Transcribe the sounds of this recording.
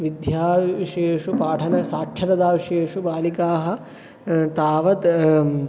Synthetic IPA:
ʋid̪jaːʋiʂeːʂupaːʈʰɐnɐsaːkʂʰɐɾɐd̪aːʋiʂeːʂubaːlikaːɦɐ̆ | t̪aːʋɐt̪

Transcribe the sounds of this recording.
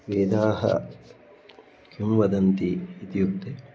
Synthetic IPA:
ʋeːd̪aːɦɐ̰ | kimʋɐd̪ɐnt̪iːt̪jukt̪e

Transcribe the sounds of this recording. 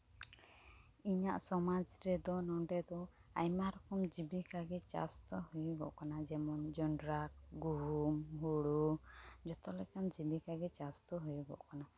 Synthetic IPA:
iɲaʔsɔmad͡ʒɾɛd̪ɔnɔɳɖɛd̪ɔ | ajmaɾɔkɔmd͡ʒibikaɡɛt͡ʃa̰st̪ɔhujɡɔ̰ʔkanad͡ʒɛmɔnd͡ʒɔɳɖɾakɡuɦumɦuɽud͡ʒɔt̪ɔlɛkand͡ʒibikaɡɛt͡ʃast̪ɔɦujuɡɔ̰ʔkana

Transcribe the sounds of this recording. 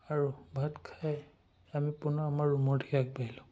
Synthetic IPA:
aɹubʱatkʰaj | amipʊnɔamaɹːumɔɹdʰʱikak̚bailʊ̃

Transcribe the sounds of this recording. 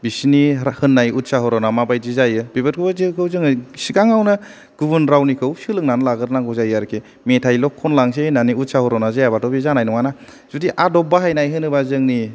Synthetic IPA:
bisnihɯnːajut̚saɦɔɾɔnamabajd͡ʒizajɯb̥ibɯt̚kʰɯbazikʰɯwzɯŋɯsiɡaŋawnɯ | ɡ̥ubunɾawnikʰɯwsɯlɯŋnanlaɡɯɾnaŋɡɔzajaɾkʰe | metʰajlɔkʰːɔnlaŋs̬enaniut̚sahɔɾɔnazajabatʰɔbizanajnɔŋana | z̥udiʔadɔbaɦajnajɦɯnɯbazɯŋni

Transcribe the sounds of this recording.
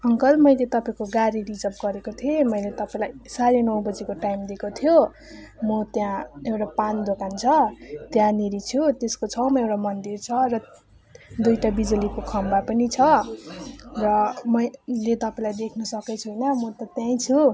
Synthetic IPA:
ʌŋkʌlmʌjlet̪ʌpaĩkoɡaɾiɾid͡zʌp̚ɡʌɾekot̪ʰiemʌjlet̪ʌpaĩlajsaɾenʌwbʌd͡zekoʈajmd̪ekot̪ʰijo | mʌt̪jãewʈapand̪okant͡sʰʌt̪jãniɾit͡sʰut̪eskot͡sʰʌwmʌewɽamʌnd̪irt͡sʰʌrʌ | d̪ujʈabid͡zulikokʰʌmbapʌnit͡sʰʌ | rʌmʌjlet̪ʌpaĩlajd̪ekʰnʌsʌket͡sʰuɦʌjnʌmʌt̪ʌt̪jãĩt͡sʰu

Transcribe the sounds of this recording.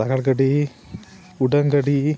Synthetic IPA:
ɐɣɐɭɡɐɽi | ʊɽɐŋɡɐɽi

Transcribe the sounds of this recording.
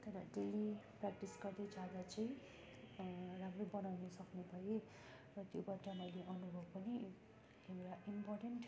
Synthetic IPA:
t̪ʌɾʌɖeliprakʈisɡʌrd̪ed͡zad̪at͡sʌĩ | ramrobʌnawnʌsʌknebʱʌje | rʌt̪jobaʈːamʌjleʔʌnubʱʌbpʌni | emeɾaʔimpɔrʈenʈ

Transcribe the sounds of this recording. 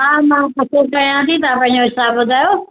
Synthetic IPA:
ɦãːmãːkɐt̪ʰokɐijãt̪ʰĩt̪̬ãpɐ̃ɦɪ̃ɲd͡ʑoɦɪsaːbbʊd̪ʱaːjo

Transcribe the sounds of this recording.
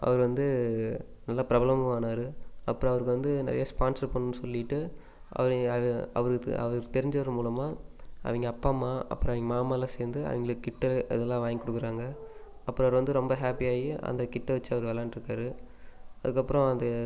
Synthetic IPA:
ɐ̰ʋɐɾɯʋɐnd̪ɯ | nɐlːaːpɪɾɐblɐmɯʋaːnaːɾɯɐpːɯɾɔ̃ɐʋɐɾɯkːɯʋɐnd̪ɯnɐ̰ɾɐjaspaːnsɐɾpɐɳːɯnɯsɔlːɪʈːɯ | ʔɐ̰ʋɐɾɐ̰ʋɐɾɯɐ̰ʋɐɾkt̪ɛɾɪɲd͡ʒɐʋɐɾɯmuːlɐmaːʔɐ̰ʋɐŋɡɐːpːaːmaːʔɐ̰pːɯɾɔ̃ɐʋɪŋɡɐmaːmaːlãseːɾnd̪ɯɐ̰ʋɪŋɡɐlɯkɪʈːɛɐ̰ðɛlːãːʋaːŋɡikːɔɽɯkːɯɾaːŋɡɐ | ɐpːɯɾɔ̃ɐʋɐɾʋɐnd̪ɯɾɔmbɐɦaːpijaːjiʔɐ̰nd̪ɐkɪʈːɛʋɐt͡ʃːɯɐʋɐɾɯʋɛlaːnɪɾɯkːaːɾɯ | ɐðɯkːɐpːɯɾɔ̃ɐnd̪ɐ

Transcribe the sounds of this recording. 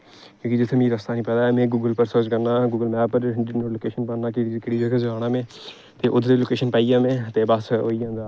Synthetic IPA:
kjõːkid͡ʒɪt̪ʰmĩːɾəst̪aːnĩːpɛːd̪aːɛːmẽːɡuːɡəlpəɾsəd͡ʒkəɾnaːɡuːɡəlmɛːbpːəɾːloːkeːʃənpənaːkeɪd͡ʒɪkɪɽiːd͡ʒekəzəaːnãːmẽː | t̪eːʔʊd̪ʱɾeloːkeːʃənpaːijãːmẽːt̪eːbəsoːiãːnd̪aː

